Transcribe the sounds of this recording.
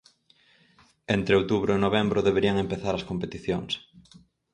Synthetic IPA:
ent̪ɾeowt̪uβɾʊenoβ̞embɾʊðeβeɾiɐŋempeθaɾɐskompet̪iθjoŋs

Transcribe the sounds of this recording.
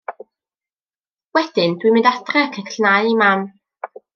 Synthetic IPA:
wɛd̥ɪndwimɪndatʰrɛkʰəkʰɬnajimam

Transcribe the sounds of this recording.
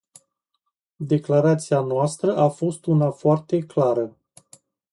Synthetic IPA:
d̪e̞klaɾat̪sianoast̪ɾəʔafo̞st̪unafoart̪e̞klaɾə

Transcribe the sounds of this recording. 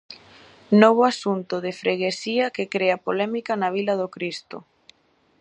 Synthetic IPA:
noβ̞ʊasunt̪ʊðɪfɾeɣesiɐkɪkɾeɐpolɛmikɐnaβ̞ilɐðokɾist̪ʊ̰

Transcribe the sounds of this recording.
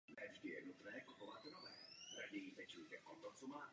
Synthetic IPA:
nɛʒdɪjɛnut̪nɛːkupovat̪novɛːɾadivɛt͡ʃujt̪ɛʔot̪ot͡sɔmaː

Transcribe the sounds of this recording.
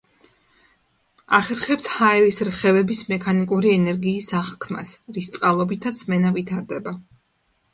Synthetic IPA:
a̰χɛɾχɛpshaɛɾisɾχɛvɛbismɛkʰanikʼuɾiɛnɛɾɡiːsaχkʰma̰sɾist̪sʼqʼalˠɔbit̪ʰat̪smɛnavit̪ʰaɾd̪ɛba

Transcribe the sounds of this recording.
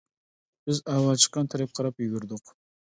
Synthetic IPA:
b̥ɪzawɑt͡ʃʰə̥qːɑnt̪ʰaɾap̚qʰɑɾɑpjyɡʲɪɾd̪ɪq

